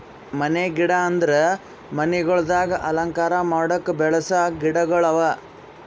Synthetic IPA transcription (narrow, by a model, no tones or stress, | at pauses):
mɐneɡiɽɐːnd̪ɐɾe | mɐnɛɡɐɭɐd̪aːɡɐʔɐlɐŋkaːɾɐmaːɽɐkːɐbɛɭɐsɐɡiɽɐɡɐɭɐʋɐ